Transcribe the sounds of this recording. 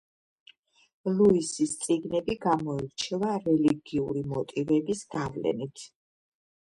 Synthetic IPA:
luisist̪sʼiɡnɛbiɡamɔiɾt͡ʃʰɛvaɾɛliɡiuɾimɔt̪ʼivɛbisɡ̪avlɛ̰nit̪ʰ

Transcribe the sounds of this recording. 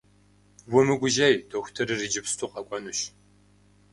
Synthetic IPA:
wʊmɨɡʷʊʒɐjdoːxʷtʰɐɾɨrid͡ʒɪpstʰuːqʼɐkʷʼɔnuʃ

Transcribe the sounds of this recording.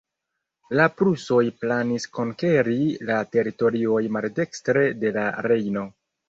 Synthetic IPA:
lapɾuso̞jplanisko̞ŋke̞ɾilate̞ɾito̞ɾio̞jmalde̞kstɾe̞de̞laɾe̞jno̞

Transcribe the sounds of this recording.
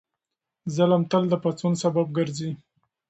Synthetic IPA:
zəlamt̪əld̪əpat͡sunsabab̚ɡəɾzi

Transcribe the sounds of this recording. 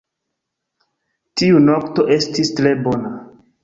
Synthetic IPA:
tiunokto̞ʔe̞stistɾe̞bo̞na

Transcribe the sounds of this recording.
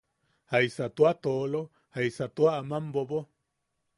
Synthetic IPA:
haisat̪uat̪olo | haisat̪uaamambobo

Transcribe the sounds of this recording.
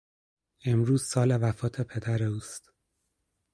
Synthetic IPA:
e̞mɾuːz̥sɒːle̞væfɒːt̪ʰe̞pʰe̞d̪æɾe̞uːst̪

